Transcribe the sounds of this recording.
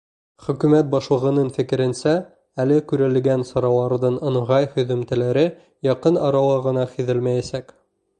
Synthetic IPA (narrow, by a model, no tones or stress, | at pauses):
χɵ̆kʉmæt̪̚bɑʃlˠɤ̆ʁɤ̆nɤnfɘ̆kɘ̆ɾɘ̆nsæ | ælɘkʉɾɘ̆lɡænsɑɾɑlˠɑɾðɤnɤ̆ɴʁɑjhɵ̆ðɵ̆mt̪ɘ̆læɾɘ | jɑqɤnɑɾɑlˠɑʁɤ̆nɑχiðɘlmæjæsæk